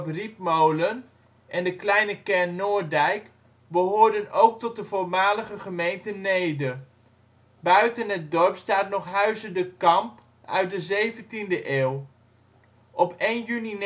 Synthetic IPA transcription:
pripmowlən | ʔɛndəklɛjnəkɛɹnːoːɹdɛjk | bəɦoːɹdənowk̚tɔt̚dəvʊɹmaːləχəχəmejntənejdə | bœɥtənɦət̚dɔɹpstaːtnɔχɦœɥzədəkɑmp | œ̰ɥt̚dəzejvəntindəʔeːw | ʔɔpejnjyni

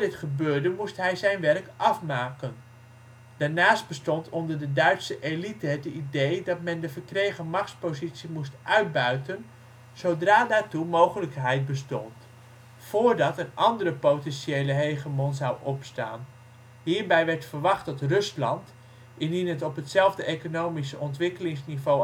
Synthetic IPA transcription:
dɪtχəbøːɹdəmustɦɛjzɛjnʋɛrkʔɑfmaːkən | d̥aːɹnaːsd̚b̥əstɔntɔndəɹdədœɥtsəʔelitəɦətidejdɑtmɛndəvəɹkrejχəmɑχtspozitsimustʔœɥd̚bœɥtən | z̥owdraːdaːɹtumowχələkɦɛjt̚bəstɔ̰nt | fʊːɹdɑtənʔɑndərəpowtɛnʃejləɦejχəmɔnzɑwʔɔpsta̰ːn | ɦiːɹbɛjʋɛɹtfəɹʋɑχtdɑtrɵslɑnt | ɪndinɦətɔpɦətsɛlˠvdəʔejkonowmisəʔɔntʋɪkəlɪŋsnivo

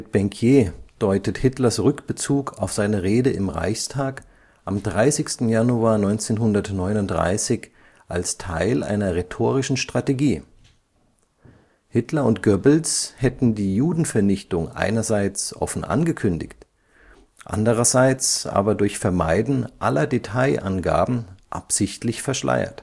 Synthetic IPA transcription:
mɪt̚b̥ɛŋkʰjeːd̥ɔʏtəthɪtlɐsʁʏkb̥ət͡suːkʰaʊfz̥aɪnəʁeːdəɪmʁa̰ɪçstʰaːk | ʔamdʁaɪsɪçstn̩januaːɐnɔʏnt͡seːnɦʊndɐtnɔʏnʊntdʁa̰ɪsɪç | ʔa̰lstʰa̰ɪlʔa̰ɪnɐʁetʰoːʁ̞ɪʃn̩ʃtʁ̥ateɡiː | hɪtlɐʊntɡ̥œbl̩shɛtn̩diːjuːdn̩fɛɐnɪçtʊŋʔa̰ɪnɐzaɪt͡sʔɔ̰fn̩ʔa̰nɡəkʰʏndɪ̰çt | ʔa̰ndəʁ̞ɐzaɪt͡sʔa̰ːbɐdʊɐçfɛɐma̰ɪdn̩ʔalɐdetʰaɪʔanɡa̰ːbm̩ʔa̰pz̥ɪçtlɪçfɛɐʃla̰ɪɐ̰t

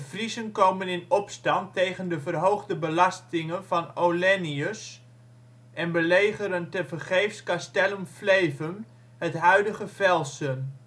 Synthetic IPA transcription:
əfrizənkowmənɪnɔpstɑntːejχəndəvərɦowχdəbəlɑstɪŋənvɑnowlɛniəs | ʔɛnbəlejχəɾəntəvərχejfskastɛləmflejvən | hətɦœɥdəχəvɛlˠsən

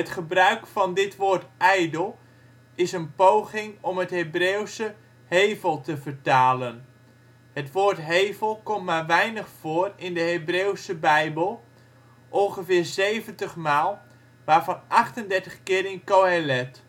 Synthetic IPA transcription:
ətχəbrœɥkfɑndɪtʋoːrtɛjdəlˠ | ɪsənpowχɪŋɔmɦətɦebrewsə | hejvəlˠtəvərtaːlən | hətʋoːɹtɦejvəlˠkɔmtmaːrʋɛjnəχfoːrɪndəɦebrewsəbɛjbəlˠ | ʔɔnχəvɪːrzejvəntəχmaːlˠ | ʋaːɹvɑnʔɑχtəndɛɹtəχkɪːɾɪnkowɛlɛt

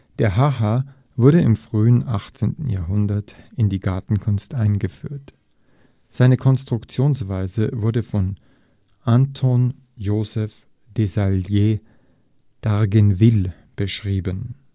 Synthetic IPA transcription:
d̥eːɐɦaha | vʊɐɾəɪmfʁ̥yːənʔaχt͡sḛːntn̩ja̰ːɐɦʊndɐtɪndiːɡaɐtn̩kʰʊnstʔaɪnɡəfy̰ːɐt | z̥aɪnəkʰɔnstʁ̥ʊkt͡sjoːnsv̥aɪzəvʊɐdəfɔn | ʔantʰɔn | joːzɛf | d̥ezaljeː | d̥aʁɡənvɪl | b̥əʃʁ̥iːbən

